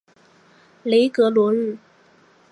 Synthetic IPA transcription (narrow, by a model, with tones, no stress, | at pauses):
le˧˥ɪkɤ˧˥lwɔ˧˥ɻ̩˥˩